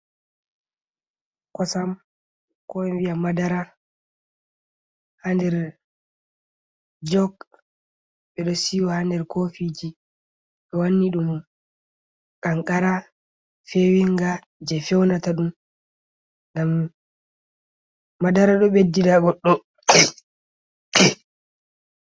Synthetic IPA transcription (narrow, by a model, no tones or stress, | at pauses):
kɔsam | kɔjɛnwijamadaɾa | handɛɾ | d͡ʒɔɡ | ɓɛɗɔsiwɔhandɛɾkofid͡ʒi | ɓɛwanːiɗum | kaŋkaɾa | fewiŋɡa | d͡ʒɛfɛwnataɗum | ŋɡam | adaɾaɗɔɓedːidaɡɔɗːɔ